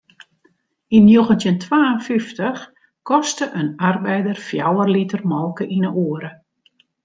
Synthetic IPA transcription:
inːjoɣəntjəntʰwaːənfiftəx | kɔstəʔənarbɛjdərfjawərlitərmɔlˠkəʔinəʔoəɾə

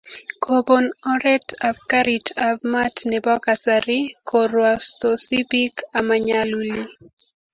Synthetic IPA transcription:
kʰobonɔɾɛtafkaɾitʰabmatnɛbɔkasaɾikʰoɾwastosibikamaɲaluli

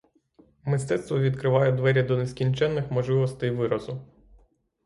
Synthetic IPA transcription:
mɪst̪ɛt̪st̪ʋɔʋʲid̪kɾɪʋɑjɛd̪ʋɛɾʲjɐd̪ɔneskʲinʲt͡ʃɛnːɪxmɔʒlˠɪʋɔst̪ɪjʋɪɾɔzʊ

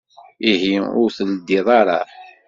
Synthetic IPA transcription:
iɦiʊ̰ɾθld̪ːiðˤɑɾˤɑ̰

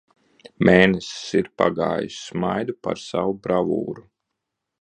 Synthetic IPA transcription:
mʔeːnɛssiɾpa̰ɡa̰ːjusːmajd̪upa̰ɾsavubɾavṵːɾu

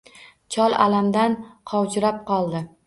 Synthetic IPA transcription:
t͡ʃʰɒlˠa̰lamd̪anqʰɒwt͡ʃɪɾap̚qɒlˠd̪ɪ

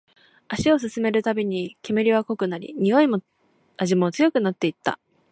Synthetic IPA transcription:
aɕio̞s̬ɨsɨme̞ɾɯ̟t̪abʲiɲ̟ikʲe̞meɾʲiβako̞kɯ̟naɾʲḭɲ̟io̞imo | aʑimo̞t͡sɨjo̞kɯ̟nat̪ːe̞it̪ːa̰

